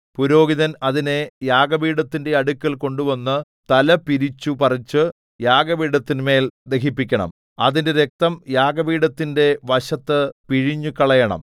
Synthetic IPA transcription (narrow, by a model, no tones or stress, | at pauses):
puɾo̞ːɡiðɐnɐðine̞jaːɡɐbiːɽɐt̪ːinde̞ɐɽukʲːɐlko̞ɳɖuʋɐnːɨ | t̪ɐlɐpiɾit͡ɕːupɐrɐt͡ɕːɨ | jaːɡɐbiːɽɐt̪ːinme̞ːld̪e̞ɦipːikʲːɐɳɐ̰m | ɐ̰ðinde̞ɾe̞k̚t̪ɐmjaːɡɐbiːɽɐt̪ːinde̞ʋɐɕɐt̪ːɨpiɻiɲːukɐɭɐjɐɳɐ̰m